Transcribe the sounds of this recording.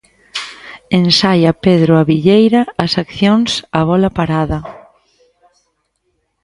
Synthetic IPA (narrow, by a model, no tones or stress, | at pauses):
ensajɐpeðɾoaβiʎejɾɐːsakθjoŋsaβ̞ɔlɐpaɾaðɐ